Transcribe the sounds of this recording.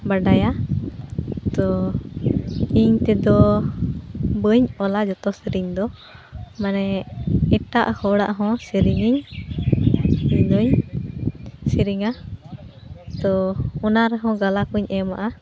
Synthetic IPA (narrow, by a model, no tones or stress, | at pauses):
baɖaja | t̪ɔ | iɲt̪ɛd̪ɔ | bəɲɔlad͡ʒɔt̪ɔsiɾiɲd̪ɔ | manɛɛʈaʔhɔɽaʔɦɔ̃siɾiŋiɲ | ɲd̪ɔɲ | siɾiŋa | t̪ɔɔnaɾɛɦɔ̃ɡalakuɲʔɛma̰ʔa